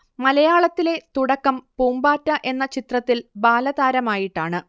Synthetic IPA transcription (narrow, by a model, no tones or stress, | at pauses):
mɐlɐjaːɭɐt̪ːile̞t̪uɽɐkːɐmpuːmbaːtːɐʔe̞nːɐt͡ɕit̪rɐt̪ːilbaːlɐðaːɾɐmaːjiʈːaːɳɨ